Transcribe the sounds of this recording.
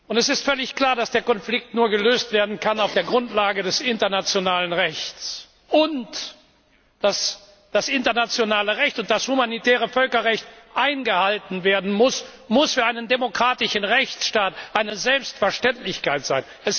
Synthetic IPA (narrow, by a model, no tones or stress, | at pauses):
ʔʊntɛsɪstfœlɪçkl̥aːɐdasd̥eːɐkɔnflɪk̚tnuːɐɡəløːstv̥eːɐdn̩kʰanaʊfd̥eːɐɡʁʊntlaːɡədɛsʔɪntɐnat͡sjonaːlənʁɛçt͡s | ʔʊnt | d̥as | d̥asʔɪntɐnat͡sjonaːləʁɛçtʊnt̚d̥ashumanitʰɛːʁ̞əfœlkɐʁɛçtʔaɪnɡəhaltn̩veːɐdn̩mʊsmʊsfyːɐʔaɪnəndemokʁ̥aːtɪʃn̩ʁɛçt͡sʃtaːtʔaɪnəzɛlpstfɛɐʃtɛntlɪçkaɪtz̥aɪnʔɛs